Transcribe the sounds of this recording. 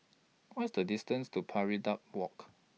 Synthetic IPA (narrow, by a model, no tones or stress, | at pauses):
wɔsdədistə̃nstupʰaɹidap̚wɔk